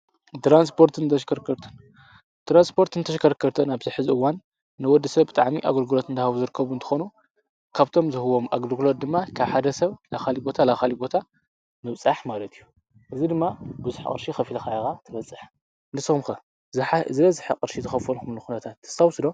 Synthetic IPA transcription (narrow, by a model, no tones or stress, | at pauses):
t̪ɾanspʰo̞ɾt̪ʰɨnt̪ʰɐʃkɐɾkʰːɐɾt̪ʰɐn | t̪ɾanspʰo̞ɾt̪ɨnt̪ʰɐʃkʰɐɾkʰːɐɾt̪ʰɐnaβzɨħɨzɨɨwanː | ɨwɔd̪ːisɐβbɨt̪ʼaʕmiʔa̰ɡolɡulot̪ɨnt̪ʰɐhaβuzɨɾɨkʰːɐβunt̪ʰɨ̥xonu | kʰaβt̪ʰo̞mzɨhɨwomʔaɡloɡlod̪ːɨmːakʰaβħad̪ɐsɐβlaxalibo̞t̪ʰalaxalibo̞t̪ʰa | mɨβt͡sʼaħmalɐt̪ʰijːu | ʔɨzid̪ɨmːabɨzuħkʼɨ̰ɾʃixɐfilɐxajɐxat̪ʰɐβɐt͡sʼːɨħ | nɨsɐmxɐ | zħazɨɐzɨħaqʼɨɾʃizɨxɐfɐlxumluxunɐt̪ʰat̪ːɨ̥st̪awsɨd̪o